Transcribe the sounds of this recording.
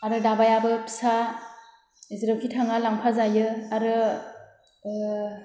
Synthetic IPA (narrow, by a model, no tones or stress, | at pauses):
aɾɯdabajabɯpsa | izɾɯwkʰitʰaŋalaŋpʰazajɯaɾɯ